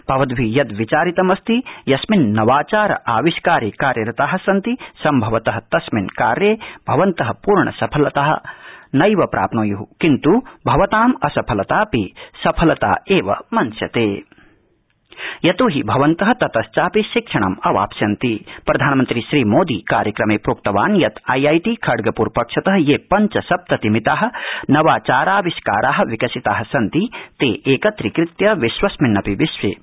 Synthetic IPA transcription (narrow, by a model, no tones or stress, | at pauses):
b̥ʱɐʋɐd̪bʱijɐd̪ʋit͡ʃaːɾit̪ɐmɐst̪ijɐsminːɐʋaːt͡ʃaːɾɐ̰ʔaːʋiʃkaːɾiːkaːɾjɐɾɐt̪aɦɐ̆sɐnt̪isɐmbʱɐʋɐt̪ɐɦɐt̪ɐsminka̰ːɾjeːb̥ʱɐʋɐnt̪ɐɦɐpuːɾɳɐ̰sɐpʰɐlɐt̪aɦɐ̰̆nɐjʋɐpɾʔa̰ːpnoːjuɦukint̪ubʱɐʋɐt̪aːmɐsɐpʰɐlɐt̪aːpisɐpʰɐlɐt̪a̰ːeːʋɐ̰mɐnsjɐt̪eː | jɐt̪oːɦibʱɐʋɐnt̪ɐɦɐ̆t̪ɐt̪ɐst͡ʃaːpiʃikʂɐɳ̃ɐmɐʋa̰ːpsjɐnt̪ipɾɐd̪ʱaːnɐmɐnt̪ɾiʃɾiːmoːd̪iːkaːɾjɐkɾɐmeːpɾoːk̚t̪ɐʋaːnjɐt̪ɐjɐjʈiːkʰɐɽɡɐpuːɾpɐkʂɐt̪ɐɦɐ̆jeːpɐɲt͡ʃɐsɐp̚t̪ɐt̪imit̪aːɦɐ̆nɐʋaːt͡ʃaːɾaːʋiʃkaːɾʔaːɦɐ̆ʋikɐsit̪aːɦɐ̆sɐnt̪it̪eːʔeːkɐt̪ɾikɾɪt̪jɐʋiʃwɐsminːɐpiʋiʃʋḛː